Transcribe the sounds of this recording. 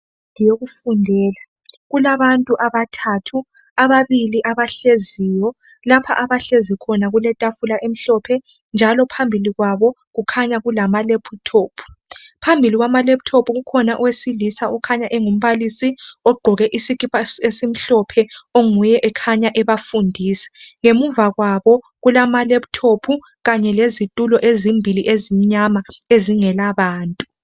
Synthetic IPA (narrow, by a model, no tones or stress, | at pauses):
ŋijoɣufundʱɛːla | ɣulaβantʼuʔaβatʰatʰu | aβaβiliʔaβaɬezijɔ | lapʰa̰ʔaβaɬezikʰɔnaɣulɛtʼafulaʔem̩ɬɔpʰɛ | nd͡ʒʱalɔpʰambʱiliɣwaβɔ | ɣukʰaɲaɣulamalepʰutʰoːpʰu̥pʰambʱiliɣwamalepu̥tʰopʰuɣukʰɔnaʔɔwesilisaɔkʰaɲaʔɛŋum̩βalisiɔɡ͡ǃʱɔɣɛʔisikʼipʰʼaesim̩ɬɔpʰɛoŋujɛʔɛkʰaɲaʔɛβafundʱiːsḁŋemuvaɣwaβɔ | ɣulamalepu̥tʰopʰu | ɣaɲɛlezitʼulɔʔezimbʱiliʔezim̩ɲamaeziŋɛlaβaːntʼu